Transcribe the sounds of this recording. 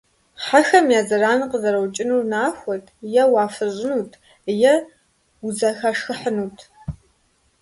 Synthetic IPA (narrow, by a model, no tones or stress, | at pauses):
ħaxɐmjaːzɐraːnɨqəzɐɾɐwt͡ʃʼɪnuːrnaːxʷɔtʰjɛwaːfɨʑʷʼɪnuːtʰ | jɛ | zɐxaʂxɨħənuːtʰ